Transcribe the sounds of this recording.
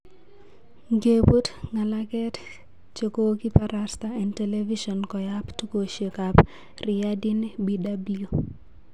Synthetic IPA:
ŋɡe˨bu˦tŋa˨la˦kɛ˦t | t͡ʃo˨ko˦ki˦pa˨ɾa˨st̪aɛ˨ntɛ˨le˦vi˦ʃɔ˨nkɔ˨ja˦ptu˦ko˨ʃe˨kap | rɪ˨ja˦di˦nbi˦da˦bio˦

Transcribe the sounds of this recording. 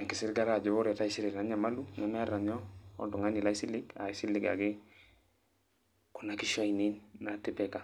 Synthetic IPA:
ɛ˨kɪ˨sɪ˦ɾɡa˦la˦˨d͡ʒɔ˨˦bɔ˦ɾɛ˨ta˦i˦si˦ɾɪ˨ɾa˨˦ɲa˨ma˦lu˦ɲa˨˦mɛ˦a˦ɾa˨ɲɔ˦ɔ̰˦du˨ŋa˦ni˨la˦i˦si˦lɪ˦ka̰˨i˦si˦lɪ˦ɡa̰˨ɡɪ˦ | ku˨na˦ki˦ʃɔ˦i˨ni˦nːa˨tɪ˦pɛ˨ka˨

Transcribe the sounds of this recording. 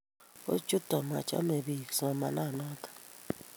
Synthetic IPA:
o̰˦t͡ʃu˦ta˨ma˨t͡ʃa̰˦me˨bi˨ksa˨ma̰˨na˦˨na˦kḁ˨

